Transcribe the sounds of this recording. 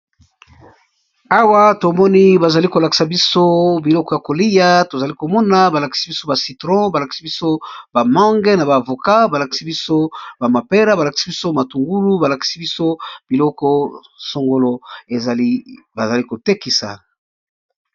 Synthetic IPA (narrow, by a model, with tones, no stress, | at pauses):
a˦wa˦to˨mɔ˦ni˦ba˨za˨li˦ko˨la˨ki̥˨sa˨bi˦so˦bi˨lɔ˦kɔ˦ja˨ko˨li˦ja˦to˨za˨li˦ko˨mɔ˦na˨ba˨la˨ki̥˨si˦bi˦so˦ba˨si˨tʁɔ̃˦ba˨la˨ki̥˨si˦bi˦so˦ba˨ma˦ŋɡɛ˦na˨baː˨vo˨ka˦ba˨la˨ki̥˨si˦bi˦so˦ba˨ma˨pe˦ɾa˦ba˨la˨ki̥˨˦si˦bi˦so˦˨ma˨tu˨ŋɡu˦lu˦ba˨la˨ki̥˨si˦bi˦so˦b̥i˨lɔ˦kɔ˦ | so˨ŋɡo˦lo˦e˨zl | ba˨za˨li˦ko˨te˦ki˨sa̰˨